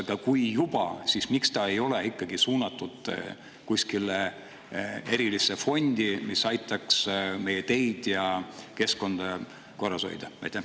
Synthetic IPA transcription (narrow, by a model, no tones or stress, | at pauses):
ɡ̥̪ɑkujjub̥ɑsismikst̪ɑe̞jo̞leikːˑɑɡisuːnɑt̪ːˑud̪̥ | kusʲkile | e̞ɾilisefo̞nʲd̪̥imisɑjt̪ˑɑksme̞jet̪e̞jd̪̥jɑke̞sko̞nd̪̥ɑ | ko̞rːɑso̞̰jd̪ɑvæ̰jt̪ːˑe